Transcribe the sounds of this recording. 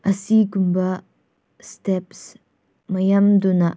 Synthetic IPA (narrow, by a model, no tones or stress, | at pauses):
ʔɐsiɡumbɐ | stɛps | mɐjɐmdunɐ